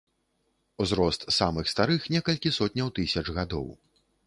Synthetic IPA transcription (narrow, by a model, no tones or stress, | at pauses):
uzɾɔst̪samɨxst̪aɾɨxnʲɛkɐlʲkʲisɔt̪ʲnʲɐwt̪ɨsʲɐt͡ʂɣad̪ɔ̰w